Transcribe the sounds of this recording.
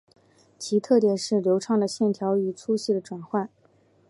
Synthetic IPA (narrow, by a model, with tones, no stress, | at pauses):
t͡ɕʰi˧˥t̪ʰɤ˥˩t̪jɛ˨˩nʂɻ̩˥˩ljo˧˥ʊʈ͡ʂʰɑ˥˩ŋd̪ə˩ɕjɛ˥˩nt̪ʰjɑ˧˥ʊy˨˩t͡sʰu˥ɕi˥˩d̪ə˩˦ʈ͡ʂwa˨˩nxwa˥˩n